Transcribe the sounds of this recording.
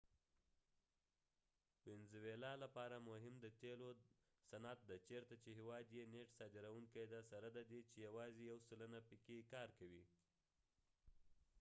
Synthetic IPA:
wɪnzwelɑlapɑɾamoɦɪmd̪ət̪elo | sanat̪̚d̪at͡ʃeɾt̪at͡ʃeɦewɑd̪jeneʈsɑd̪ɪɾawuŋkajd̪asaɾad̪ad̪et͡ʃejawɑzejawsələnapəkekɑɾkawi

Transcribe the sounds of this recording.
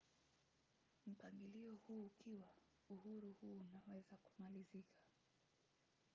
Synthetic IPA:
m̩paŋɡiliɔhuːkiwa | uhuɾuhuːnawɛzaku̥malizikʰḁ

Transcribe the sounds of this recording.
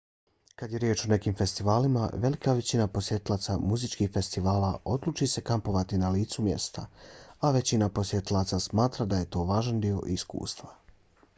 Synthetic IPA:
kad̪je̞ɾjeːt͡ʃone̞kiːmfe̞st̪iʋaːlima̰ʋe̞likaʋe̞t͡ɕinapo̞sje̞t̪ilˠaːt̪samuzit͡ʃkixfe̞st̪iʋaːlaʔo̞d̪luːt͡ʃise̞kampo̞ʋat̪inaliːt̪sumje̞̰st̪aaʋe̞t͡ɕinapo̞sje̞t̪ilˠaːt̪sasmaːt̪ɾad̪aje̞t̪o̞ːʋaːʒand̪io̞̰ʔiskṵːst̪ʋa

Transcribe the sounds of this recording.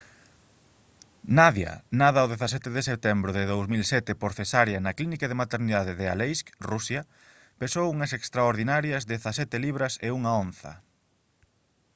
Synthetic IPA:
naðja̰naðɐoðeθasɛt̪eðesep̚t̪ɛmbɾʊðɪðowsmilsɛt̪ɪpoɾθesaɾjɐnɐklinikeðemat̪eɾniðað̞ɪðea̰lejskrusja | pesowuŋɐsekst̪ɾaoɾðinaɾjɐzd̪eθasɛt̪ɪliβ̞ɾɐseuŋaonθɐ̰

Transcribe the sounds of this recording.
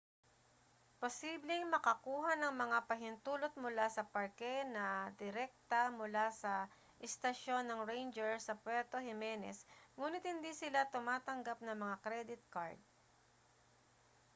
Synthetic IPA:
posiːblɛŋmɐkɐkuːɦanɐŋmɐŋapɐɦɪnt̪uːlot̪̚mʊlasɐpɐɹkɛnɐd̪ɪɾɛk̚t̪ɐmʊlasɐ | ʔɪst̪ɐʃo̞nːɐŋɹejnd͡ʒɛɹsɐpwɛɾt̪ohɪmɛːnɛ̰sŋuːnɪt̪̚hɪnd̪isɪlat̪ʊmaːt̪ɐŋɡap̚nɐŋmɐŋakɾɛd̪ɪt̪̚ka̰ɹd̪̚

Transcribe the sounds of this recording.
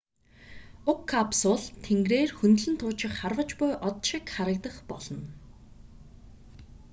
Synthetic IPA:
ʊkʰːapsʊːɮt̪ʰeŋɡreːrxɵnt̪ɮɘ̆nt̪ʰʊːt͡ɕɪ̆kχarwə̆t͡ɕpʊjʔɔt̪ʃɪkχaɾə̆k̚t̪ə̆χpɔ̰ɮɞ̆n

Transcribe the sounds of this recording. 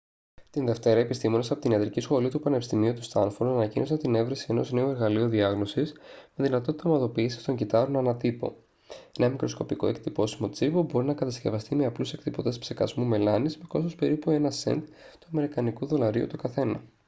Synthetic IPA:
t̪inðe̞ft̪e̞ɾɐe̞pist̪imo̞ne̞sɐpot̪iniɐt̪ɾicisxo̞lit̪upɐnepist̪imiut̪ust̪ɐ̰nfoɾt̪ɐnɐcinʔosɐnt̪ine̞vɾesie̞no̞zne̞oe̞ɾɣɐlioðiɐɣno̞sisme̞ðinɐt̪o̞t̪it̪ɐmɐðo̞piːsi̥st̪o̞ɲɟit̪ɐɾo̞nɐnɐt̪ipo̞̰ | enɐmikɾo̞sko̞piko̞e̞kt̪ipo̞simo̞t͡sipobo̞ɾinɐkɐt̪ɐsce̞vɐst̪imeɐpluse̞kt̪ipo̞t̪espse̞kɐ̰zmume̞lɐnizmeko̞s̬ospe̞ɾipue̞nɐse̞̰nt̪ | t̪uɐme̞ɾikɐnikuðo̞lɐɾiṵt̪ukɐθe̞nɐ

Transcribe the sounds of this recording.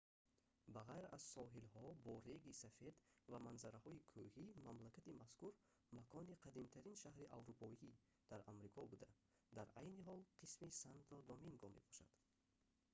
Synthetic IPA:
baʁajɾa̰z̥sɔɦilhɔbɔɾeɡisafe̞d̪vamanzaɾahɔikʰuhimamlakʰat̪imaskuɾ | makʰɔniqʰad̪imt̪ʰaɾinʃahɾiʔavɾupʰɔi | d̪̥aɾamɾikʰɔbud̪a | d̪aɾajniɦɔlqʰismisant̪ʰɔd̪ɔmiŋɡɔme̞̰bɔʃa̰d̪̥

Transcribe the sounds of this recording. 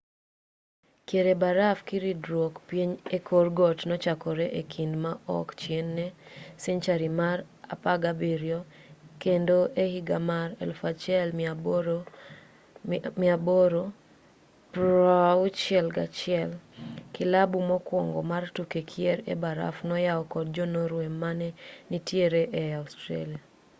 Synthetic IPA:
kjeɾebaɾafkiɾidɾwokpjeɲekʰorɡɔtnɔt͡ʃakɔɾɛʔekʰindmaʔɔ̰kt͡ʃjenːɛsiɲt͡ʃaɾimar | a̰paɡabiɾjɔkendoʔehiɡamaɾɛ̰lfat͡ʃɛlm | mɪaboɾo | pɾaut͡ʃɛlɡa̰t͡ʃɪɛlkɪlabumɔkwɔŋɡɔ̰martukekʰjeɾḛbaɾa̰fnɔjaɔkɔd̚d͡ʒonoɾwemːanɛnitjeɾeʔɛaustɾḛlia

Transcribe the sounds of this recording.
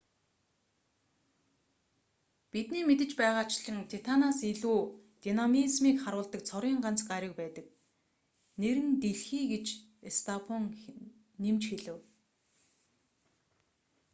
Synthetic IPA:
pit̪niːmet̪ɘ̆t͡ɕpæːʁaːt͡ɕɮə̆ŋt̪ʰet̪ʰanaseɮuːt̪inamizmiːkχaɾʊːɮt̪ə̆kt͡sʰɔɾiːɴɢan̥t͡sɢaɾʲɪ̆k̚pæːt̪ə̆k̚ | neɾɘ̆nt̪eɮxiːɡet͡ɕ | est̪ʰapʰɔŋ | nemt͡ɕxeɮɘ̆w

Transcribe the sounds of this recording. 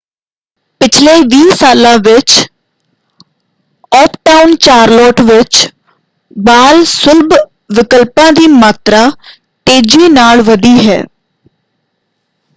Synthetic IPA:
pɪt͡ʃʰleːʋiːsaːlãːʋɪt͡ʃ | ɔːpʰʈaːʊnt͡ʃaːɾlɔːʈʋɪt͡ʃ | baːlsʊlb | ʋɪkəlpãːd̪iːmaːt̪ɾaː | ʈeːd͡ʒiːnaːlʋəd̪iːɦɛ̰ː

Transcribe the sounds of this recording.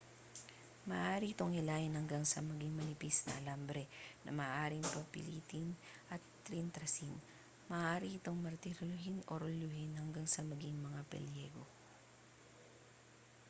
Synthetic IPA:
mɐːʔaːɾiʔɪt̪o̞ŋɪlaːjɪnhɐŋɡaŋsɐmɐɡiŋmɐnɪpisnɐ̰ʔɐlambɾɛnʔɐ̰mɐːʔaːɾɪŋpɐpɪ̰liːt̪ɪnʔɐt̪ː | ɾint̪ɾɐsɪn | mɐʔʔaːɾiʔɪt̪o̞ŋmɐɾt̪ɪɾolʊhɪnoɾoljʊhɪnhɐŋɡaŋsɐmɐɡiŋmɐŋapɛ̰ljɛɡo̞

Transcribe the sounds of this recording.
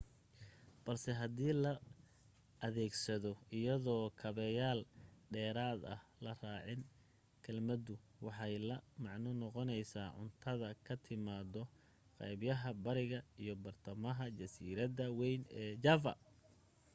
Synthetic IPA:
b̥ɐlsɛɦɐd̪iːlɐ | ɐðɛːɡsɐðɔɪjɐðɔːkʰɐβɛjaːlɖɛːɾaːd̪ɐ̰hlɐraːʕɪn | kʰɐlmɐd̪ʊwɑħɑjlɐmɑʕnɔnɔqɔnɛjsaːʕʊ̰nt̪ʰɐðɐkʰɐt̪ʰɪmaːd̪ɔ | qɛ̰jbjɐɦɐbɐɾɪɣɐijɔbɐrt̪ʰɐmɐɦɐt͡ʃɐsḭːɾɐd̪ɐwɛjnɛːt͡ʃafɐ̰

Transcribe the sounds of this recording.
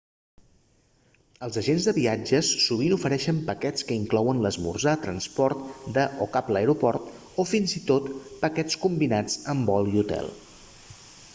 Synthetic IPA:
əlˠzəʒenzðəβiad͡ʒəsːuβinufəɾɛʃəmpəkɛt͡skəiŋklɔwənləzmṵrzat̪ɾənspɔɾt̪d̪əʔokapləjɾupɔrt̪ | ofinzit̪ot̪pəkɛt͡skumbinad͡zəmbɔliut̪ɛ̰lˠ

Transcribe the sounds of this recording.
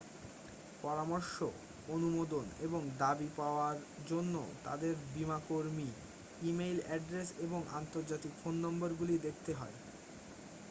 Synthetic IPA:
pɔɾamoɾʃo | onumod̪oneboŋd̪abipaoaɾd͡ʑonːo̰t̪a̰d̪eɾbimakoɾmi | imejlɛɖɾeseboŋa̰nt̪oɾd͡ʑat̪ikfonːɔmboɾɡulid̪ek̚ʰt̪eɦɔ̰e

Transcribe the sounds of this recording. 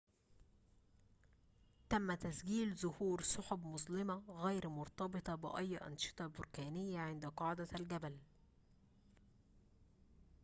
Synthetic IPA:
t̪æmːæt̪æsɡiːlzʊhuːɾsʊħʊbmʊzˤlɪmɑɣæjɾmʊɾt̪ɑbɨt̪ˤɑbɪ̰ʔæjːʔɑ̰nʃɨ̥t̪ˤɑbʊɾkæːnɪjːæʕɪnd̪æqɑʕd̪ælɡæbæl

